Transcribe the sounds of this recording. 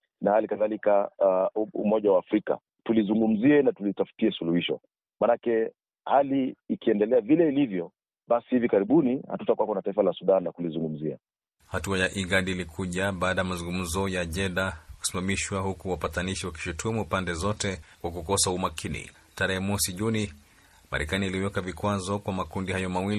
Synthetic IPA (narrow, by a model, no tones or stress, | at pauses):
nahalikaðalika | ṵmɔʄawaːfɾika̰ | tulizuŋɡum̩ziɛnatulitafu̥tiɛsuluhiʃɔ̰ | manakɛ | haliːkiɛndɛlɛavilɛilivjɔ | ɓasihivikaɾiɓuniha̰tutakwakɔnataifalasuɗanlakulizuŋɡum̩zia̰ | hatuajaʔiɡaɗiːlikʰuʄaɓaːɗajamazuŋɡum̩zɔjaʄɛɗaku̥simamiʃwahukuwapataniʃiwaki̥ʃutʰumuːpandɛzɔtɛkwak̬ukɔsaumakʰinḭ | taɾɛhɛmwɔsiʄuni | ma̰ɾɛkaniːliwɛkavikwazɔkwamakundihajɔmawil